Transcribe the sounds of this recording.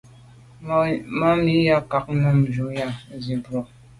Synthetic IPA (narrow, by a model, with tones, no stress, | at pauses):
ma˦mi˦ja˦ka˨k̚na˦m̩˨d͡ʒu˨m˦ja˦˨zi˨bɾɔ˨